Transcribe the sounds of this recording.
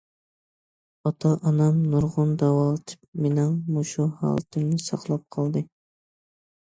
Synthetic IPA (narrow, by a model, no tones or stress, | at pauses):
ɑt̪ʰɑʔɑnɑmnuɾʁʊnd̪ɛwɑlˠt̪ʰɪ̥pmenɪŋmoʃuhɑ̰ːlˠɨt̪ʰɪŋnɪsɑqlˠɑp̚qʰɑlˠd̪ɨ